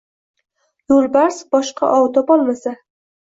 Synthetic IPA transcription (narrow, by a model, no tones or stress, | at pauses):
jolˠbaɾsbɒʃqɑ̰ʔɒwt̪ʰɒpɒlˠmasa